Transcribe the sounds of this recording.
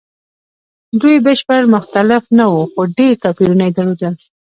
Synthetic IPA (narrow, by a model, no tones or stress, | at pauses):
d̪ujbəʃpəɾmʊxt̪alɪfnawuxoɖeɾt̪afiɾunajd̪aɽod̪əl